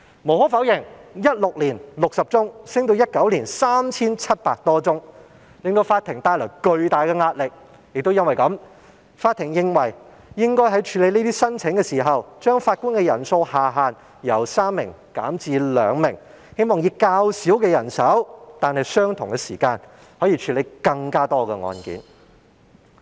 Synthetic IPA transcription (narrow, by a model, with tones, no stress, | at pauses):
mo˨˩whɔː˨˥fɐ˨˥wjɪ˨˩ŋjɐ˥t̚lʊ˨k̚liː˨˩nlʊ˨k̚sɐ˨p̚t͡sʊ˥ŋsɪ˥ŋt̪o˧wjɐ˥t̚kɐ˨˥wliː˨˩nsaː˥mt͡sʰiː˥nt͡sʰɐ˥t̚paː˧k̚t̪ɔː˥t͡sʊ˥ŋ | lɪ˨ŋt̪o˧wfaː˧t̪ʰɪ˨˩ŋt̪aː˧jlɔː˨˩jkɵ˧ɥt̪aː˨jkɛ˧ŋaː˧t̚lɪ˨k̚ | jɪ˨k̚t̪o˥wjɐ˥nwɐ˨jkɐ˨˥m | faː˧t̪ʰːɪ˨˩ŋjɪ˧ŋwɐ˨˩j | jɪ˥ŋkɔː˥jɦɐ˨˥jt͡ʃʰyː˨˧le˨˧jniː˥t̪iː˥sɐ˥nt͡sʰɪ˨˥ŋkɛː˧siː˨˩ɦɐ˨wt͡ʃœː˥ŋfaː˧t̚kʊ˥nkɛ˧jɐ̰˨˩nso˧whaː˨˩ɦaː˨n | jɐ˨˩wsaː˥mːɪ̰˨˩ŋ | ka̰ː˨˥mt͡siː˧lœː˨˧ŋmɪ˨˩ŋ | he˥jmɔː˨ŋjiː˧kaː˧wsiː˨˥wkɛː˧jɐ˨˩nsɐ˨˥wt̪aː˨nhɐ˨jsœː˥ŋt̪ʰʊ˨˩ŋkɛ˧siː˨˩kaː˧n | hɔː˨˥jiː˧t͡ʃʰyː˨˧le˨˧jkɐ˧ŋkaː˥t̪ɔː˥kɛ̰ː˧ŋɔ̰ː˧nkḭː˨˥n